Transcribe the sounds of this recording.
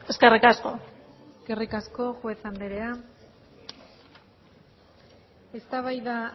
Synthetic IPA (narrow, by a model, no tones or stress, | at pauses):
eskerikasko̞ɡ̥erikasko̞ʝueθand̪eɾe̞a | e̞st̪aβ̞ajða